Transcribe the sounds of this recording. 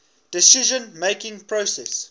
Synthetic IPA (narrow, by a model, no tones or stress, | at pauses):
d̥ɪsiʒə̃nmeɪkɪ̃ŋpɹoːsɛs